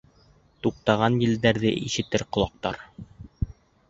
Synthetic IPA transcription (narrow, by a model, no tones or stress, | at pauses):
t̪uq̚t̪ɑʁɑnjɘ̆ld̪æɾðɘ̰ʔiʃɘ̆t̪ɘɾqŏlˠɑq̚t̪ɑ̰ɾ